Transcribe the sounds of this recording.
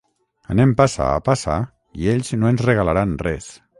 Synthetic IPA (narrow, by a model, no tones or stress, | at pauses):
anẽmpasa̰a̰pasa̰ | ieʎznoenzreɣalaɾanrɛs